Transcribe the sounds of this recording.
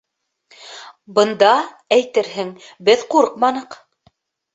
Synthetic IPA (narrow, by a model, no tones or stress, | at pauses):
bɤ̆nd̪ɑ | æjt̪ɘɾɦɘŋbɘðquɾqmɑnɤ̆q